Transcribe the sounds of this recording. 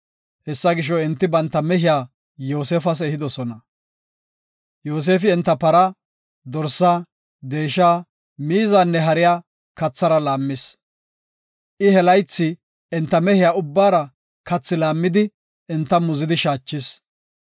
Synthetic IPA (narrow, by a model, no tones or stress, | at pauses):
hɛsːɐɡɪʃ̬ɔɪnt̪ːɪbɐnt̪ːɐmɛɦɪjaː | jo̞ːs̬eːfɐs̬ɛhɪd̪ɔsɔnɐ | joːs̬e̞ːfɪɛnt̪ːɐpɐɾɐ | d̪ɔɾsːaː | d̪e̞ːʃaː | miːzaːnːɛɦɐɾɪjaː | kɐt͡sːɐɾɐlaːmːɪs | ʔɪhɛlɐjt͡sːɪ | ɛnt̪ːɐmɛhɪjaːʊbːaːɾɐ | kɐt͡sːɪlaːmːɪd̪ɪ | ɛnt̪ːɐmʊzɪd̪ɪʃaːt͡ʃːɪs